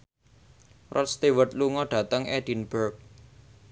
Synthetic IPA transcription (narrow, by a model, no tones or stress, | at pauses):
rʔɔt̪̚st̪ewət̪̚luŋɔɖ̥a̤t̪əŋʔɛd̥inb̥ərk̚